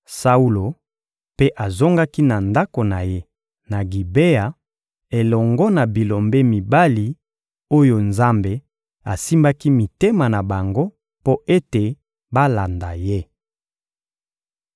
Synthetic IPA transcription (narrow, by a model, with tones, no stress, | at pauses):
sa˦u˦lo˨ | pe˦ʔa˨zo˦ŋɡa˦ki˦na˨nda˦ko˨na˨je˦ | na˨ɡi˨be˦a˨ | e˨lɔ˨ŋɡɔ˦na˨bi˨lo˨mbe˦mi˨ba˦li˨ | o˦jo˨nza˦mbe˨ | a˨si˦mba˦ki˦mi˨te˦ma˨na˨ba˨ŋɡo˦ | po˦ʔe˦te˨ | ba˦la˨nda˨je˦